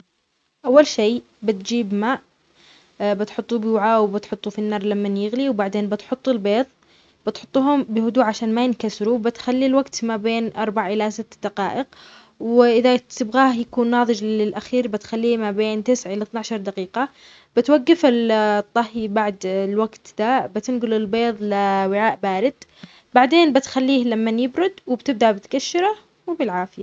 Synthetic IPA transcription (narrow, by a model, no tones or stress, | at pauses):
ʔawːalʃej | bɪt̪d͡ʒiːbmaːʔ | bɪt̪ħʊt̪ˤːubɪwʕawbɪt̪ħʊt̪ˤːufinːɑːɾˤlamːanjɪɣliwbaʕd̪eːnbɪt̪ħʊt̪ˤːʊlbeːðˤ | b̥ɪt̪ħʊt̪ˤːuːɦʊmbɪhʊd̪uːʕaʃaːnmajɪnkasɾubɪt̪xalːilwaɡt̪mabeːnʔɑɾˤbaʕʔɪlasɪt̪ːd̪aqɑ̰ːʔɪq | wɪʔɪðat̪ɪbɣaːhjakuːnːɑːðˤɨd͡ʒɪlʔaxiːɾbɪt̪xalːiːmabeːnt̪ɪsʕʔɪlat̪naʕʃɑɾˤd̪aqiːqa | b̥ɪt̪waɡːɪfɪlt̪ˤːɑhibaʕd̪lwaɡt̪d̪abɪt̪ɪnɡʊlɪlbeːðˤlɪwɪʕaːʔbaːɾɪd̪̥ | baʕd̪eːnbɪt̪xalːiːhlamːanjɪbɾʊd̪wɪbt̪ɪb̚d̪abɪt̪kaʃːɪɾa | wɪbɪlʕaːfɪja